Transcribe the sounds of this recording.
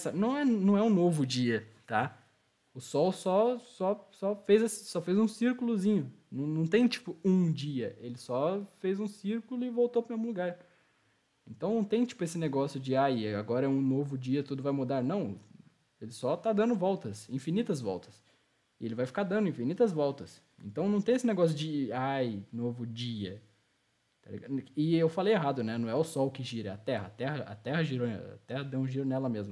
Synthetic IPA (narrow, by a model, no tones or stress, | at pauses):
ɛsɐnɐ̃w̃ɛnɐ̃w̃ɛũnovʊd͡ʒiɐt̪a | ʊsɔwsɔsɔsɔfejzɐssɔfejzũsiɾkʊlʊzĩɲʊnɐ̃w̃nɐ̃w̃t̪ẽj̃t͡ʃi̥pʊũd͡ʒiɐelɪsɔfejzũsiɾkulʊɪvowt̪opɾʊmezmʊluɡaɾ | ẽnt̪ɐ̃w̃nɐ̃w̃t̪ẽj̃t͡ʃi̥pʊesɪneɡɔsjʊd͡ʒɪajɪa̰ɡɔɾɐɛũnovʊd͡ʒiɐt̪ud̪ʊvajmud̪aɾnɐ̃w̃ | elɪsɔt̪ad̪ɐ̃nd̪ʊvɔwt̪ɐsĩfinit̪ɐzvɔ̰wt̪ɐ̥s | ɪelɪvajfi̥kaɾd̪ɐ̃nd̪ʊĩfinit̪ɐzvɔwt̪ɐs | ḛ̃nt̪ɐ̃w̃nɐ̃w̃t̪ẽj̃esɪneɡɔsjʊd͡ʒɪajnovʊd͡ʒiɐ | t̪alḭɡaɪewfalejeɦad̪ʊnɛnɐ̃w̃ɛʊsɔlʊkɪʒiɾɐɐ̰t̪ɛɦɐːt̪ɛɦɐʔɐ̰t̪ɛɦɐʒiɾo̰ɐ̰t̪ɛhɐd̪ẽũʒiɾonɛlɐmezmɐʊ